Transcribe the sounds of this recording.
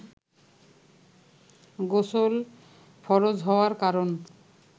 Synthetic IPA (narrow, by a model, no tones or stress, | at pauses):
ɡosol | fɔɾod͡ʑɦɔoaɾkaɾon